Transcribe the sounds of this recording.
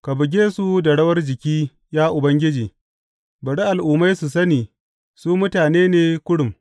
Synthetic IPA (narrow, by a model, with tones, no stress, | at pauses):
ka˨bʊ˨ɡʲeː˦su˦dɐ˨ɽɐ˦wɐ˦rd͡ʒɪ˨kʲiː˦ | jaː˦ʔʊ˨bɐ˦ŋɡʲɪ˦d͡ʒiː˨ | bɐ˨ɽi˦ʔa˨lʔʊː˨ma˦jsu˨sɐ˦niː˨ | suː˦mʊ˦taː˨neː˦neː˦kʷʊ˦ɽʊ˨m